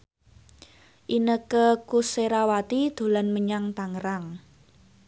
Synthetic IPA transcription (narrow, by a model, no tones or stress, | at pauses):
ʔinəkəkuseɾawat̪id̪̥o̤lanməɲaŋt̪aŋɾaŋ